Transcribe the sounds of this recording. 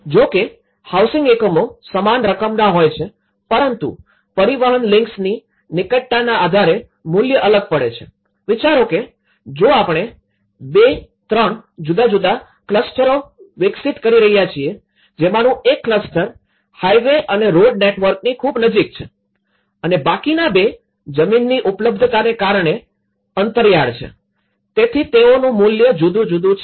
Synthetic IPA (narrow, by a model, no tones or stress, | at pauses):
d͡ʒoke | hawsɪ̃ŋɡekəmosəmanɾəkəmnaɦojt͡ʃʰe | pəɾənt̪ṵ | pəɾiʋəɦənlɪ̃ŋksni | nɪkəʈːanaːd̪ʱaɾe | mʊljəʔələɡ̚pəɽet͡ʃʰe | ʋit͡ʃaɾoke | d͡ʒoapɳ̃e | bet̪ɾəɳd͡ʒud̪ad͡ʒud̪a | kləsʈəɾoʋɪksit̪kəɾiɾəɦijat͡ʃʰie | d͡ʒemanũekːləsʈəɾ | hajʋeʔəneɾoɖneʈʋəɾk̚nikʰubnəd͡ʒik̚t͡ʃʰe | ənebakinabe | d͡ʒəminːiʔupləb̚d̪ʱət̪anekaɾɳe | ənt̪əɾjaɽt͡ʃʰḛ | t̪et̪ʰit̪eonũmuljəd͡ʒud̪ũd͡ʒud̪ũt͡ʃ